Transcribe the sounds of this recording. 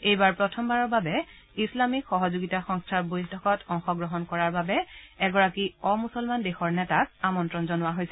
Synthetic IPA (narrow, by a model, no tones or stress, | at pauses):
ejbaɹpɹɔtʰɔmbaɹɔɹbabɛ | islamikxɔɦɔzoɡitaxɔŋstʰabojɦtʰɔkɔtɔŋxɔɡɹɔɦɔnkɔɹaɹbabɛɛɡɔɹakiɔmusɔlmandexɔɹnɛtak̚amɔntɹɔnzɔnʊwaɦojsɛ